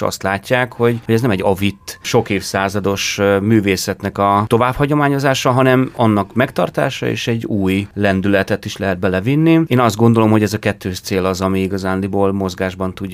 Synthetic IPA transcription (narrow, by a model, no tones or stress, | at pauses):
ɒ̰st̪laːcːaːkho̞ɟhoɟɛznɛmɛɟːɒvit̪ːʃo̞keːfsaːzɒd̪o̞ʃmyːveːsɛt̪nɛkɒt̪o̞vaːphɒɟo̞maːɲo̞zaːʃɒɦɒnɛmɒnːɒkmɛkt̪ɒrt̪a̰ːʃɒ̰ḛːʃɛɟːuːjlɛnd̪ylɛt̪ɛt̪iʃlɛɦɛd̪̚bɛlɛvinːieːnɒzd̪ɡo̞nd̪olo̞mho̞ɟɛzɒkɛt̪ːøːʃt̪seːlɒzɒmiiɡɒzaːnliboːlmo̞zɡaːʒbɒnt̪uɟ